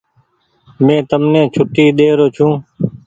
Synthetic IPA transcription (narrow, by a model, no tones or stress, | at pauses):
mẽːt̪əmnẽːt͡ʃʰʊʈːiːɗ̪eːɾoːt͡ʃʰũː